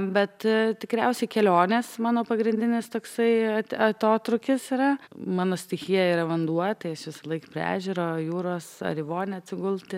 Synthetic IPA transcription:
bʲɛt̪t̪ʲɪkɾʲɛʊsʲɛɪkʲɛlʲoːnʲeːsmɑːnoːpɐɡɾʲɪnʲd̪ʲɪnʲɪst̪oːksɐɪɐtʲɐt̪oːt̪ɾʊkʲɪsiɾɐmɑːnoːsʲt̪ʲɪxʲijɛiːɾɐʋɐnd̪uɔjt̪ɐɪɐʃʋʲɪsɐlˠɐɪkɐpʲɾʲæ̰ːʒʲuːɾoːjuːɾoːsɐ̰ɾʲɪʋoːnʲɛɐt̪ʲsʲɪɡʊlʲt̪ʲɪ

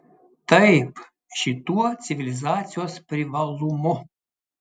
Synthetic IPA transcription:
t̪əjp | ʃit̪uɔt̪sʲivʲilʲizat̪sʲijospɾʲivalˠumɔ

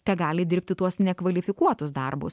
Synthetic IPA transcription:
t̪ʲɛɡɑːlʲɪd̪ʲɪɾʲpʲt̪ʲɪt̪uɔsnʲɛkʋɐlʲɪfʲɪkuɔt̪ʊsd̪ɐrbʊ̰s

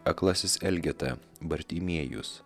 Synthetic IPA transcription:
ɐklˠɑsʲɪsɛlʲɡʲɛt̪ɐ | bɐɾʲt̪ʲimʲiɛjʊ̰s

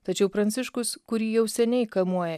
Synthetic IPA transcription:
t̪ɐt͡ʃʲɛʊpɾɐnʲt̪sʲɪʃkʊskʊɾʲiːjɛʊsʲɛnʲɛɪkɐlˠmuɔjɛ

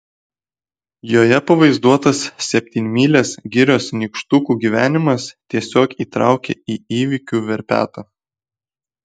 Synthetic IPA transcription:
joːjɛpɐʋɐɪzd̪uɔt̪ɐsːʲɛpʲt̪ʲiːnʲmʲiːlʲeːsɡʲɪɾʲoːsnʲikʃt̪ʊkuːɡʲiʋʲæːnʲɪmɐst̪ʲiɛsʲoːkiːt̪ɾɑ̰ˑʊkʲḛiːiːʋʲɪkʲuːʋʲɛɾʲpʲæ̰ːt̪ɐ

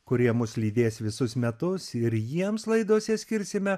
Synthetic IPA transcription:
kʊɾʲiɛmʊslʲiːd̪ʲeːsʋʲɪsʊsmʲɛt̪ʊsɪɾjiɛmslˠɐɪd̪oɔsʲɛsʲkʲɪɾʲsʲɪmʲɛ

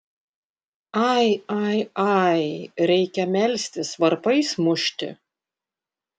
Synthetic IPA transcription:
ɑɪɑɪɑɪɾʲɛɪkʲɛmʲɛlʲsʲt̪ʲɪsʋɐɾpɐɪsmʊʃʲt̪ʲɪ̰

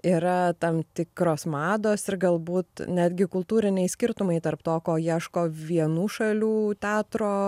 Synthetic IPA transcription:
iːɾɐt̪ɐmt̪ʲɪkɾoːsmɑːd̪oːsɪɾɡɐlˠbuːt̪nʲæːd̪ʲɡʲɪkʊlˠt̪uːɾʲɪnʲɛɪsʲkʲɪɾt̪ʊmɐɪt̪ɐɾpt̪oːkoːjiɛʃkoːʋʲiɛnuːʃɐlʲuːt̪ʲæːt̪ɾoː

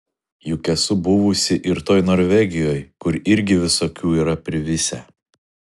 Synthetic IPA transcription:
jukʲɛsʊbʊʋʊsʲɪʔɪɾt̪oːjnoːɾʲʋʲɛɡʲɪjoːjkʊɾɪɾʲɡʲɪʋʲɪsoːkʲuːiːɾɐpʲɾʲɪʋʲɪsʲæ̰ː

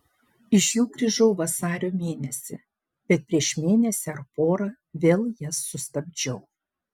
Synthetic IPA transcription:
ɪʃjuːɡɾʲɪʒɐʊʋɐsɑːɾʲoːmʲeːnʲɛsʲɪ̰ | bʲɛt̪̚pʲɾʲiɛʃmʲeːnʲɛsʲɪɐɾpoːɾɐ | ʋʲeːlˠjɛsːʊst̪ɐbʲd͡ʒʲɛʊ

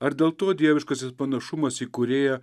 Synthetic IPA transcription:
ɐɾd̪ʲeːlˠt̪oːd̪ʲiɛʋʲɪʃkɐsʲɪspɐnɐʃʊmɐsiːkʊɾʲeːjɛ

